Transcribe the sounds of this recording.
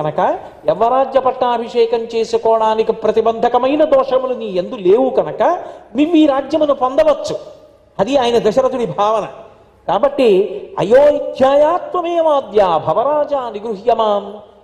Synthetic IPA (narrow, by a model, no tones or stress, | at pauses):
ɐnɐkɐ | ɛʋɐɾaːd͡ʒjɐpɐʈːaːɐbʱiʂɛːkɐmt͡ʃeːsukɔːɐɽaːnikipɾɐt̪ibɐnd̪ʱɐkɐmɐjnɐd̪ɔːʂɐmluniːend̪uleːʋukɐnɐkɐmiʋːiːɾaːd͡ʒjɐmɐnupond̪ɐʋɐt͡ʃːu | ɐd̪iaːjɐnɐd̪ɐʃɐɾɐt̪uɽibʱaːʋɐnɐ | kaːbɐʈːiɐ̰joːid̪ʱʰjaːjaːt̪ʋɐmeːʋaːd̪jaːbʱɐʋɐɾaːd͡ʒaːniɡɾuɦijɐmaːm